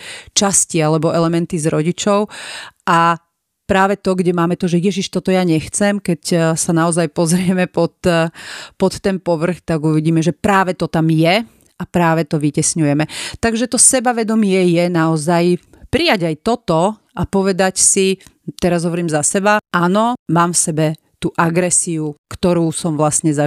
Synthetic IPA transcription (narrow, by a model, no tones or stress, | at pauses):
t͡ʃascialɛbɔɛlɛmɛnt̪izɾɔɟit͡ʃɔʊʔa | pɾaːʋɛt̪ɔɡɟɛmaːmɛt̪ɔʒɛjɛʒiʃt̪ɔt̪ɔjaɲɛxt͡sɛmkɛcsanaɔzajpɔzɾɪɛmɛpɔt̪ | pɔt̪ːɛnpɔʋr̩xt̪aɡuʋiɟiːmɛʒɛpɾaːʋɛt̪ɔt̪amjɛ | apɾaːʋɛt̪ɔʋicɛsɲujɛmɛt̪aɡʒɛt̪ɔsɛbaʋɛd̪ɔmɪɛjɛnaɔzajpɾijaɟajt̪ɔt̪ɔ | ʔapɔʋɛd̪acsi | t̪ɛɾazɦɔʋɔɾiːmzasɛbaʔanɔmaːmfsɛbɛ | t̪uːʔaɡɾɛsiukt̪ɔɾuːsɔmʋlasɲɛza